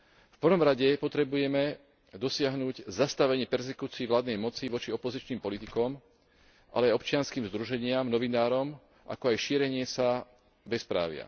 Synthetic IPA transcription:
fpr̩ʋɔmɾaɟɛpɔt̪ɾɛbujɛmɛ | d̪ɔsɪaɦnuɟzast̪aʋɛɲɪɛpɛɾsɛkuːt͡siːiʋlaːd̪nɛjmɔt͡siʋɔt͡ʃiɔpɔzit͡ʃniːmpɔlit̪ikɔm | ʔa̰lɛaɔpt͡ʃɪanskiːmzd̪ɾuʒɛɲɪamnɔʋinaːɾɔm | ʔa̰kɔajʃiːɾɛɲɪɛsa | bɛspɾa̰ːʋɪa̰

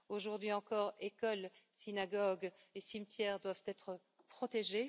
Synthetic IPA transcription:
oʒuʁd̪ɥiɑ̃kɔːʁekɔlsinaɡɔɡesimt̪jɛʁd̪wavt̪ɛt̪χə | pχɔt̪eʒe

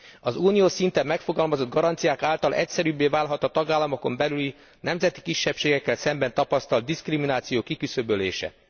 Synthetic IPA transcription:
ɒzuːnijoːʃsint̪ɛmːɛkfo̞ɡɒlmɒzo̞d̪̚ɡɒɾɒnt̪sijaːkaːlt̪ɒlʔɛ̰csɛɾybːeːvaːlɦɒt̪ɒt̪ɒɡaːlːɒmo̞ko̞mbɛlyli | nɛmzɛt̪i̥kiʃːɛpʃeːɡɛkːɛlsɛmbɛnt̪ɒpɒst̪ɒld̪̚d̪iskriminaːt̪sijoːkikysøbølḛːʃɛ̰

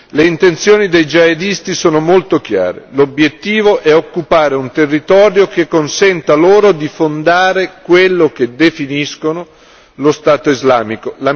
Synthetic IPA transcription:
leint̪ent̪sjoːnid̪ejd͡ʒaed̪ist̪isoːnomolt̪ok̟ja̰ːɾḛlobjet̪ːiːvoʔɛokːupaːɾeunt̪erːit̪ɔːɾjokekːonsɛnt̪aloːɾod̪ifond̪aːɾekwelːok̟ed̪efiniskono | lost̪aːt̪oizlaːmikola

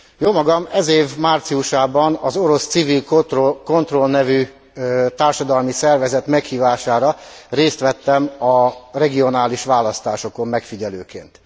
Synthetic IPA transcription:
joːmɒɡɒmɛzeːvmaːrt̪siuʃaːbɒnɒzo̞ɾo̞st̪sivilko̞nt̪ro̞lnɛvy | t̪aːrʃɒd̪ɒlmisɛrvɛzɛt̪mɛkhiːvaːʃaːɾɒreːst̪ʋɛt̪ːɛmɒrɛɡio̞naːliʃʋaːlɒst̪aːʃo̞ko̞mːɛkfiɟɛløːkḛːnt̪

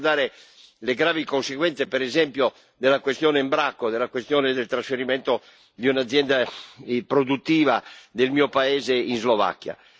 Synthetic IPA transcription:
d̪aːɾe | leɡɾaːvikonseɡwɛnt̪sepɛɾɛzɛmpjo | d̪elːakwest̪jɔːneimbɾakːod̪elakwest̪jɔːned̪elt̪ɾasfeɾimɛnt̪o | d̪iunad̪zːjɛnd̪apɾod̪ut̪ːiːvad̪elmiːopaɛːzeinzlova̰kːja̰

